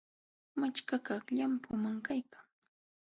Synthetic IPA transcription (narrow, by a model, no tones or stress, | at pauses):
mat͡ʃkakɑχʎampʊmaŋkajkḁŋ